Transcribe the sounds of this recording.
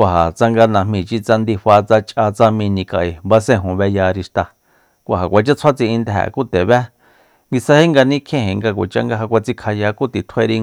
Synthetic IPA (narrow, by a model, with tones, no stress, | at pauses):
a˨ɦa˨t͡sa˧ŋɡa˧nã˧mĩ˧˨t͡ʃi˧t͡sa˧nd̪i˧ɸa˧t͡sa˧t͡ʃʼa˧t͡sa˧mĩ˧nĩ˧ka˧˨ʔe˨ba˧sẽ˦˧˨ɦũ˨βɛ˧ja˧ɾi˧ʃt̪a˧ | kʷa˨ɦa˨kʷa˧t͡ʃa˦t͡sʰa˦t͡sĩ˧ĩ˧nd̪ɦɛ̰˨ku˦t̪e˨βɛ˦ | ŋɡi˧sa˧he˦ŋɡa˧nĩ˦kʰẽ˦hẽ˨ŋɡa˧kʷa̰˨t͡ʃa̰˦ŋɡa˧ɦa˧kʷa˧t͡si˧kʰa˧ja˧ku˦t̪i˨t̪ʰwe˦˧ɾi˧